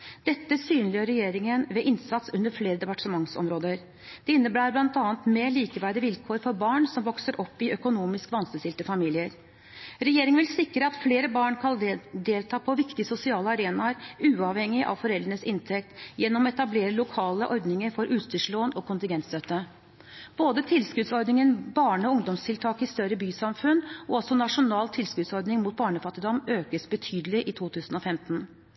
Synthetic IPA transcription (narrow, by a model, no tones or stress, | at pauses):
d̪ɛt̪ːəsyːnlɪjøɾːɛjeːɾɪŋənʋɛʔɪnsɑt̪sʉnəɾfleːɾəd̪ɛpɑʈʂəmɑŋsɔ̰mɾoːd̪əɾ | d̪̥ɛɪnːəbæːɾblɑnt̪ɑːnt̪meːɭiːkəʋæːɖɪʋɪlkʰoːɾfɔɾbɑːɳsɔmʋɔksəɾʔɔpːɪʔœkʊnuːmɪskʋɑnst̪əsɪlt̪əfɑmiːlɪəɾ | ɾɛjeːɾɪŋnʋɪlsɪkːɾəɑt̪fleːɾəbɑːɳkʰɑld̪eːlt̪ʰɑːpʰɔʋɪkt̪ɪsʊsɪɑːləɑɾeːnɑɾʉːɑʋhɛŋːɪʔɑ̰ʋfɔɾɛld̪əɳəsɪnt̪ʰɛkt̪jɛnːɔmɔɛt̪ɑbleːɾəlʊkʰɑːləʔɔɾd̪nɪŋəɾfɔɾʔʉːt̪st̪ʏʂɭoːnɔkʰʊnt̪ɪŋɡɛnst̪œt̪ːə | b̥oːd̪ət̪ʰɪlskʉd̪sɔɾɖ̪nɪŋənbɑːɳəɔʊŋd̪ɔmst̪ʰɪlt̪ʰɑːkɪst̪œɾəbyːsɑmfʉnːɔɔsɔnɑʂʊnɑːlt̪ʰɪlskʉːd̪sɔɾd̪nɪŋmuːt̪̚bɑːɳəfɑt̪ːɪd̪ɔmøːkəsbət̪ʰyːd̪əlɪʔɪt̪ʰuːt̪ʰʉːsənɔfɛmt̪n̩